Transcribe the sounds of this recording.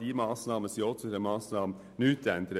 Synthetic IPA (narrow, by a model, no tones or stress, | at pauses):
diːmɑːsnɑːməsiɔt̪ʰəɾəmɑːsnɑːm | nʉːt̪ɛnd̪ɾə